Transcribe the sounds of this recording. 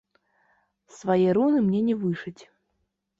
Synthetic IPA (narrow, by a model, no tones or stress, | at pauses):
svajɛɾunɨmnʲɛnʲɛvɨʂɨt͡sʲ